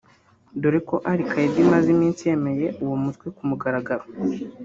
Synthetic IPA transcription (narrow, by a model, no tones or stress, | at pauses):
doɾiko̞ʔaɾikʰajedimazimiːnsije̞me̞je̞ʔuwomutwekumuɡaɾaɡaɾo